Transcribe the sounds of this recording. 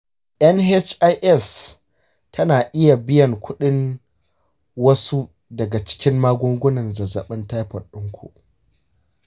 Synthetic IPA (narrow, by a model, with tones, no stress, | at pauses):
ʔɐ˦nɦe˦t͡ʃʔa˦jʔɛ˦˨s | tʰɐ˦naː˨ʔɪ˦ja˨bɪ˦jɐ˨ŋkʷʊ˦ɗɪ˦n | wɐ˦su˦ | dɐ˨ɡa˨t͡ʃɪ̥˦kʲɪ˦mmaː˦ɡʷʊ˦ŋɡʷʊ˦nɐ˨nzɐ˨zɐ˨ɓɐ˦ntaː˦jɸɐ˨ɗʊ˦ŋkʷṵ˨ʔ